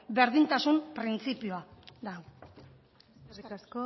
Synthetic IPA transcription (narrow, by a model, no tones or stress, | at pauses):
be̞ɾðint̪asumpɾint͡sipioad̪a | so